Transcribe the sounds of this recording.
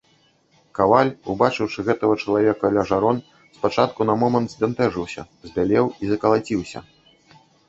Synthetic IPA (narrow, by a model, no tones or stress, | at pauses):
kavalʲubat͡ʂɨwʂɨɣɛt̪ɐɣɐt͡ʂɐlˠavʲɛkɐlʲaʐaɾɔn | spat͡ʂat̪̚kunɐmɔmɐnd̪zʲd̪ʲɛnt̪ɛʐɨwsʲɐ̰ | zʲbʲalʲɛwizɐkɐlˠat͡sʲiwsʲɐ̰